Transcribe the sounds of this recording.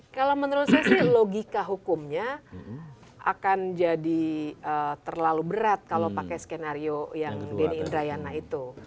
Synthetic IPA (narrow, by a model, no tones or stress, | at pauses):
kalamənəɾusasɪhloɡikaɦukʊmɲa | a̰kand͡ʒadiəːt̪ərlalubəɾat̪̚kalopakɛjskenaɾiojaŋdeniːndɾajanait̪u